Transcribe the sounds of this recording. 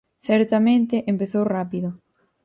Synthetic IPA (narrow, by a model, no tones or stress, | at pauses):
θɛɾt̪amẽnt̪ɪʔempeθowrapiðʊ